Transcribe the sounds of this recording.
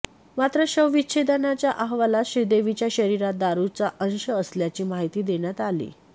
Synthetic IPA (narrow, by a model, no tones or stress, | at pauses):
mat̪ɾəɕəʋʋitɕʰed̪ənat͡ɕjaʔaɦʋalaɕɾid̪eʋit͡ɕjaɕəɾiɾat̪̚d̪aɾut͡saʔənɕəːsljat͡ɕiːmaɦit̪iːd̪eɳ̃jat̪alḭː